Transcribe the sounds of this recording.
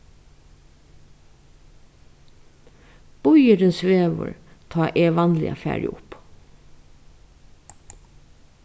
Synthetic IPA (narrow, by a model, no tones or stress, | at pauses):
b̥ʊjəɾənsʋeːʋə̰ɹt̪ʰɑːʔeːʋɑnlɪ̰ʔɑ̰fæ̰ːɾɪ̰ʔʊp